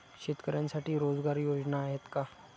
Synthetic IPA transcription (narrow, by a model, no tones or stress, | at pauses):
ɕet̪kəɾjãnsaʈiːɾod͡zɡaɾjod͡znaːɦet̪ka